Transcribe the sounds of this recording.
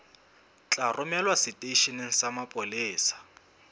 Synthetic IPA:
t͡ɬʼarʊmɛlwasɪtʼeiʃineŋ̩samapʼʊlɪːsḁ

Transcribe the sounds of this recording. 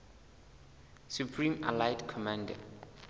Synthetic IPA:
supʰrĩma̰lajtkʰɔmãndɛ̰

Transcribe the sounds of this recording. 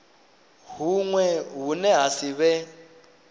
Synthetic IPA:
ɦuŋwɛɦunɛɦasiβɛ

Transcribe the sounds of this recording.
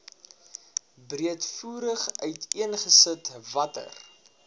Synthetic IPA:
briətfuːɾəχœɥtʰiənχəsətvɐtə̰r

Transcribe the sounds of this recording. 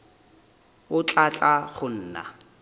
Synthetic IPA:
ʊt͡ɬʼat͡ɬʼaχʊn̩ːna̰

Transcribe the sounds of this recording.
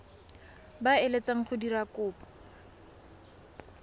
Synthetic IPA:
baelet͡saŋ̩χʊdirakʊːpḁ

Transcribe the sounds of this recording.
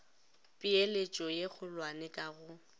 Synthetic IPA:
pʼielet͡ʃʼɔjeɣʊlwanɛkʼaɣʊ

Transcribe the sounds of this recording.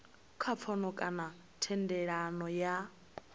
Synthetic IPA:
kʰap̪fʰɔnɔkʼana | tʰɛndɛɺanɔja

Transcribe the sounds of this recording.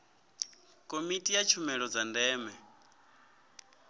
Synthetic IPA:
kʼomitʼijat͡ʃʰumɛɺɔd͡zandɛːmɛ

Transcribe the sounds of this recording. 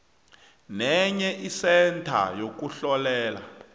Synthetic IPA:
nɛɲɛʔisɛntʰa̰jok̬uɬɔlɛːla̰

